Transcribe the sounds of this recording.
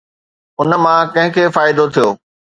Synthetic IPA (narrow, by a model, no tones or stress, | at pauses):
ʊnə̆mãkɐ̃ɦɪ̃kʰeːfaːɪd̪ot̪ʰijoː